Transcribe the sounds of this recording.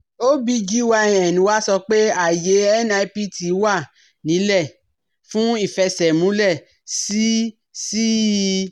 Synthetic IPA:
o˦bi˧d͡ʒi˦wa˧˨ɛ̃˨nĩ˨˦wa˦sɔ˧k͡pe˦a˦˨je˨˦ɛ˦na˧i˦pi˦ti˨˦wa˦˨ | nĩ˨˦lɛ˦˨ | fũ˦i˦˨fɛ˧sɛ˨mũ˨˦lɛ˦˨ | si˦ | si˦

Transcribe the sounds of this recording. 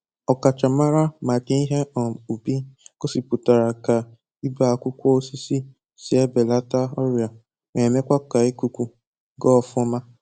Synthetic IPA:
ɔ˨ka˨t͡ʃa˨ma˦ɾa˦ma˨d͡ʒe˦i˦ɦe˦ɔ˨u˨bi˦ko˦si˨pu˨ta˨ɾa˨ka˨ | i˦ba˨kʷʊ˦kʷɔ˦o˦si˦si˦ | si˨e˦be˨la˦ta˦ɔ˦ɾja˨ | me˨me˦kʷa˦ka˨e˦ku˨kʷu˦ | ɡɔ˦˨fʊ˦ɔ˦ma˦

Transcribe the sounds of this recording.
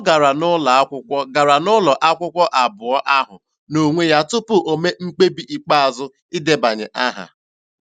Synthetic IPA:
ɔ˦ɡa˨ɾa˨nʊ˦la˨a˦kʷʊ˦kʷɔ˦ɡa˨ɾa˨nʊ˦lɔ˨ʔa˦kʷʊ˦kʷɔ˦ʔa˨bʊ˨ɔ˦ʔa˦ɦʊ̰˨ | no˨ŋʷe˦ja˦tʊ˦pʊ˨ʔo˨me˦ŋ͡m̩˦k͡pe˦bi˦ʔi˨k͡pa˦a˨zʊ˦ | i˦de˦ba˨ɲɪ̰˨ʔa˦ɦa̰˨

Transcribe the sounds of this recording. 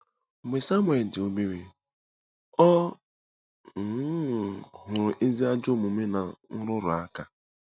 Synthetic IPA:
me˨sa˦mwe˨ldɪ˨o˦me˦ɾe˦ | ɔ˦ | ŋ̩˨˦˨ɦʊ˨ɾʊ˨ʔe˦zi˦a˦d͡ʒo˦˨mʊ˨me˦na˨ŋ̩˦ɾʊ˦ɾʊ˨a˦ka˨

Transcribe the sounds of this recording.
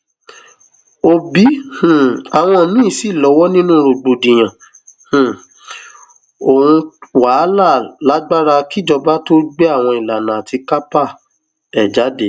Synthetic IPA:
o˧bi˨˦h̩˦˨a˨w̃ɔ̃˧˨nĩ˦˨si˦˨lɔ˨˧˦wɔ˦nĩ˦nũ˦ɾo˧ɡ͡bo˧dĩ˨j̃ã˨ | h̩˨ | o˨hũ˧wa˨˦la˦˨la˨˦ɡ͡ba˦ɾa˧ki˦d͡ʒɔ˧ba˦to˦ɡ͡be˦a˦˨w̃ɔ̃˧i˨la˨nã˨a˨ti˧ka˦pa˦˨ | ɛ˨d͡ʒa˨˦de˦

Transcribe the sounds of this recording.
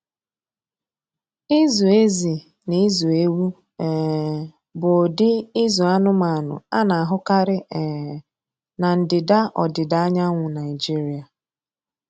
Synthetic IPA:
ɪ˦zu˨e˦zi˨ | ni˦zu˨e˦wu˦ | ɛ˨ | bʊ˨dɪ˦ɪ˦zu˨a˦nʊ˦ma˨a˨nʊ̰˨a˦na˨a˨ɦʊ˦ka˦ɾɪ˦ɛ˨ | na˨n̩˨dɪ˨da˦ʔɔ˨dɪ˨da˦a˦ɲa˦ŋʷʊ˨na˨ɪ˨d͡ʒi˦ɾi˨a˨

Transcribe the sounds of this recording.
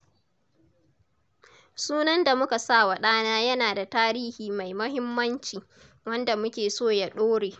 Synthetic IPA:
suː˦nɐ˦nda˨mʊ˦ka˨sa˦˨wa˨ɗaː˦naː˦jɐ˦naː˨da˨taː˦ɾiː˦hiː˨ma˨jmɐ˦ɦɪ˦mːɐ˦nt͡ʃiː˨ | wɐ˦nda˨mʊ˦kʲeː˨soː˦˨ja˦ɗoː˦ɽeː˨

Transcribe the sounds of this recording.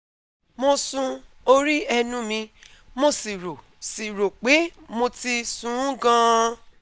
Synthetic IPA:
mo˧sũ˧o˧ɾi˦ɛ˧nũ˦mĩ˧mo˧si˨ɾo˨ | si˨ɾo˨k͡pe˨˦mo˧ti˧sũ˦ɡã˦˧

